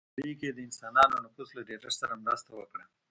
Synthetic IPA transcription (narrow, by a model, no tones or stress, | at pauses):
ɽiked̪əɪnsɑnɑnonafuslaɖeʈaɾsaɾamɾɑst̪awəkɽa